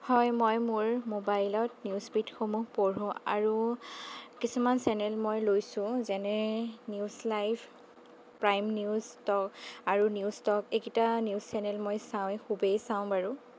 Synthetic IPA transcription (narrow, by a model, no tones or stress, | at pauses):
hɔjmojmʊɹmobajlɔtniuspitxomuhpoɹʊ̃a̰ɹu | kisumansɛnɛlmojlojsʊ̃zɛnɛniuslajpʰ | pɹajmniuztɔkaɹuniustɔkekitaniussɛnɛlmojsaw̃exubejsãʊ̃baɹu